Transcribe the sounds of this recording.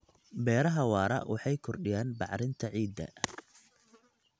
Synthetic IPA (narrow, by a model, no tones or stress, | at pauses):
bɛːɾɐɦɐwɑːɾɐ̰wʔɑħɑjkʰɔrɗɪjaːnbɑʕɾɪnt̪ʰɐʕiːd̪ːɐ̰